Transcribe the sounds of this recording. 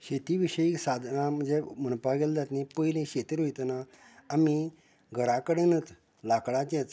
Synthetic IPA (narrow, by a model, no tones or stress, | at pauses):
ɕet̪iʋiɕəiksad̪ʱnãm̤ənd͡zemənpaɡeld͡z̪at̪nepəjlẽɕet̪iɾojt̪naː | mi | ɡʱəɾakəɽenət͡s | lakɽat͡ɕɛt͡s